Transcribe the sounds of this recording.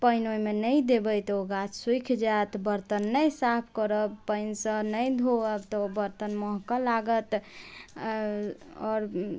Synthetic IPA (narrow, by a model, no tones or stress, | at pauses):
pəjnojmenəjd̪ebəjt̪oɡat͡ʃswikʰd͡ʒat̪bəɾt̪ənːəjsapʰkəɾəpəɪnsə̃nəjd̪ʱoəbt̪ɔobəɾt̪ənmɔɦkəlaɡət̪ | ɔːɾ